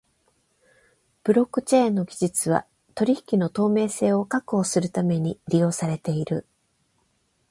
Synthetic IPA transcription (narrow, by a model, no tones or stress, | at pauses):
b̥ɯ̟ɾo̞kːɯ̟t͡ɕeːnːo̞ɡʲiʑit͡sɨβ̞a̰ | t̪o̞ɾʲiçi̥kʲino̞t̪o̞ːme̞ːse̞ːo̞kakɯ̟o̞ːsɨɾɯ̟t̪ame̞ɲ̟iɾʲijo̞ːsaɾe̞t̪e̞iɾɯ̟